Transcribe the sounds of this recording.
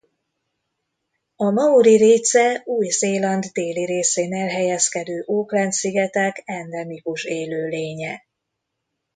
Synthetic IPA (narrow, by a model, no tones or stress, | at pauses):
ɒmɒuɾiɾeːsɛuːjzeːlɒnd̪d̪eːliɾeːseːnɛlɦɛjɛskɛd̪øːʔoːklɛnt̪siɡɛt̪ɛkɛnd̪ɛmikuʃeːløːleːɲɛ